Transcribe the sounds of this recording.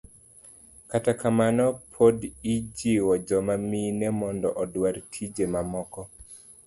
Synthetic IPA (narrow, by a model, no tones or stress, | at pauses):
katakamanɔpʰodid͡ʒiwɔd͡ʒɔmaminɛmɔndɔʔɔdwaɾtʰid͡ʒemamɔkɔ